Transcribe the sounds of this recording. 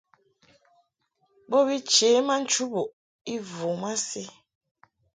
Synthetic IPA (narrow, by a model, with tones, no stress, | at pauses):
bo˦bi˦t͡ʃe˨˦ma˦n̩˦t͡ʃu˦bo˨ʔ | i˦vu˨ma˦si˦